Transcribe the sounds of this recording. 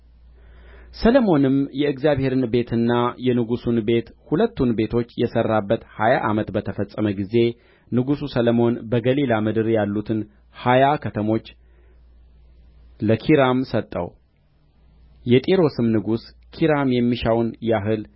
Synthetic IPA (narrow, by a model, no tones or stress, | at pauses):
sələmo̞nɨmjɛɨɡzjaβhe̞ɾɨnbe̞t̪ʰɨnːajɛnɨɡusunbe̞t̪hulət̪ːunbe̞t̪ʰo̞t͡ʃːjɛsərːabːət̪hajaʔamət̪bət̪ʰəfəsʼːəməɡize̞ | nɨɡususələmo̞nbəɡəlilamɨd̪ɨɾjalːut̪ʰɨn | hajakʰət̪ʰəmo̞t͡ʃː | ləkʰiɾamsət̪ʼːə̰w | jɛt̪ʼiɾo̞sɨmnɨɡus | kʰiɾamjɛmːiʃawnjaɦɨl